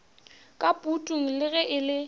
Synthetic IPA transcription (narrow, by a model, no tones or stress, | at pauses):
kʼapʼutʼuŋ̩lɪɣɛʔɪlɪ